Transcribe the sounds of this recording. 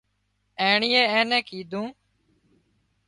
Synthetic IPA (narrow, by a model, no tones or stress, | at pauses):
eːɳiːeːẽːnɛ̃ːkiːd̪ʱũː